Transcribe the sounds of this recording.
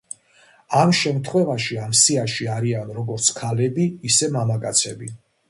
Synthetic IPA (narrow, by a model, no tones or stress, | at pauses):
amʃɛmt̪ʰχwɛvaʃiamsiaʃiaɾianɾɔɡɔɾt̪sʰkʰalɛbiːsɛmamakʼa̰t̪sʰɛbi